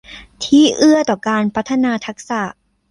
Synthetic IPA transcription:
t̪ʰiː˥˩ʔɯ˥˩ɐt̪ɔː˨˩kaː˧npʰa˦˥t̪ʰːa˧naː˧t̪ʰa˦˥k̚sa˨˩

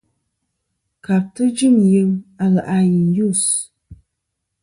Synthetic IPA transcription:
ka˨p̚tɨ˦d͡ʒi˦˨mjɨ˦ma˨ɣə˨ʔa˨ji˨nju˦˨s

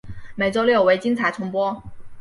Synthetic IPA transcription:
me˨˩ɪt͡so˥ʊljɔ˥˩ʊwe˧˥ɪt͡ɕi˥ŋt͡sʰa˧˥ɪt͡sʰʊ˧˥ŋpwɔ˥

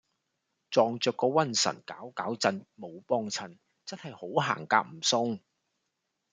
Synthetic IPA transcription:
t͡sɔː˨ŋt͡ʃœː˨˧kːɔː˧wɐ˥nsɐ̰˨˩nka̰ː˨˥wkaː˨˥wt͡sɐ˧nmo˨˧wpɔː˧ŋt͡sʰɐ˨˩n | t͡sɐ˥nhɐ˨jho˨˥wɦa̰ː˨˩ŋkaː˧k̚m̩˨˩sʊ˧ŋ

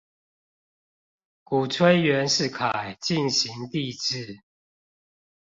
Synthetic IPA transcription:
ku˨˩t͡sʰwe˥ɪɥɛ˨˦nʂɻ̩˥˨kʰa˨˩ɪt͡ɕi˥˨nɕi˨˦ŋt̪i˥˧˨ʈ͡ʂɻ̩˥˨

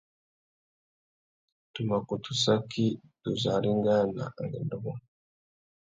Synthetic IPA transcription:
tu˨ma˨ku˨tʰu̥˨sa˦ki˦tu˨za˨ɾi˦ŋɡa˦na̰˨ŋɡi˨ndu˦mo˦

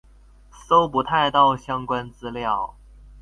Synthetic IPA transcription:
so˥ʊpu˧˥t̪ʰa˥˧ɪt̪ɑ˥˩ʊɕjɑ˥ŋkwa˥nt͡sɹ̩˥ljɑ˥˩ʊ

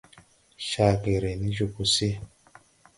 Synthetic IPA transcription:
ʃa˨ke˨ɾe˨ni˦d͡ʒu˨ku˨si˦

